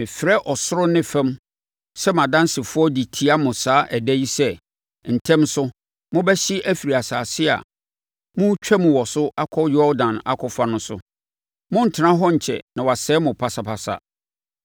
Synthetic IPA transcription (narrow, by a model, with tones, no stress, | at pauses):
mɪ̃˨fɪ˨ɾɛ˦ʔɔ˨sʊ˦ɾʊ˦nɪ̃˦fɛ̃˦m | sɛ˦m˨ã˨dã˦n˦sɪ˨fʊ˦ɔ˦di˨tʰi˨a˦mʊ̃˨saː˨˦ʔɛ˨dɛ˦ji˦sɛ˦ | n̩˨tʰɛ̃˦msʊ˦ | mʊ̃˦bɛ˦ɕɪ˦ʔæ˦fi˨ɾi˨a˨saː˨sɪ˦a̰˨ | mʊ̃˦t͡ɕᶣʰɛ˦mũ˨wɔ˨sʊ˦ʔa˦kʰɔ˦jɔ˦dã˨na̰˦kʰɔ˨fa˦nʊ̃˦sʊ̰˨ | mʊ̃˦n̩˨tʰɪ˨nã˦ɦɔ˦ɲ̩˨t͡ɕʰɛ̰˨nã˨wa˨sɛː˨˦mʊ̃˨pʰa˨sa˨pʰa˨sa̰˨